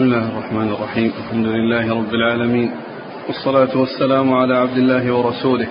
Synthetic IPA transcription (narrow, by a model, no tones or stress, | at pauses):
smɪlːaːhɪrˤːɑħmaːnɪrˤːɑħiːmʔalħamd̪ʊlɪlːaːhɪɾˤɑbːɪlʕaːlamiːn | wɑsˤːɑlaːt̪ʊwasːalaːmʊʕalaːʕab̚d̪ɪlːaːɦɪwɑɾˤɑsuːlɪh